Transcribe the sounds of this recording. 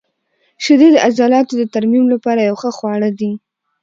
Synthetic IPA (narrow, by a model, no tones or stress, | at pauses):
ʃɪd̪ed̪əʔazɑlɑt̪od̪ət̪aɾmimlapɑɾajawxəxwɑɽəd̪i